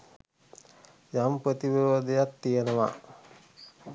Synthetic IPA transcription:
jampɾət̪iʋəod̪ejat̪ːijenəʋa̰

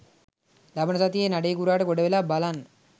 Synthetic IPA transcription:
labənɐsat̪ijenaɖejkuɾaːʈəkoɖəʋelabalanː

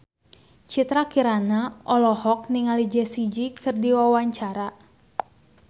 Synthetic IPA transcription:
t͡ʃit̪ɾakiɾanaʔɔlɔhɔk̚niŋalid͡ʒɛsid͡ʒikʰɨrdiwawaɲt͡ʃaɾa

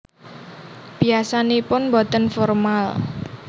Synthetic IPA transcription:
b̥iasanepʊnmbɔt̪ənfɔrmal

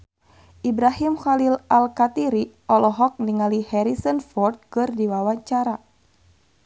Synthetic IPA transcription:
ʔibɾahimxalilalkat̪iɾiʔɔlɔɦɔk̚niŋalihɛɾisənfɔrd̪̚kɨrdiwawaɲt͡ʃaɾa

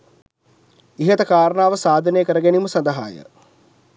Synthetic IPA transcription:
iɦət̪əkaːɾənaːʋəsaːd̪ʱənejəkəɾəɡæniməsand̪əɦa̰ːjə̰

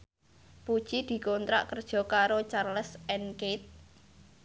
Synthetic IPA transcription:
pud̥t͡ʃid̪̥i̤kont̪ɾa̰ʔkərd̥ʒ̥ɔ̤kaɾot͡ʃarləsɛnket̪̚

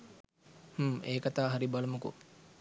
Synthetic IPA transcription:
huːeːkat̪aːɦaɾibalumukṵ

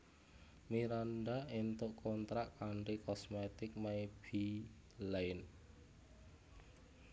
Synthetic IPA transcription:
miɾanɖaint̪ʊʔkʰɔnt̪ɾaʔkaɳrikɔsmɛt̪ɪk̚maib̥i | laɪn

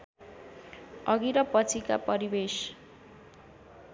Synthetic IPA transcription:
ʌɡiɾʌpʌt͡sʰikapʌɾibes

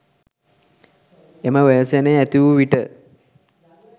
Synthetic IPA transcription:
eməʋejəseneæt̪iʋuʋiʈə

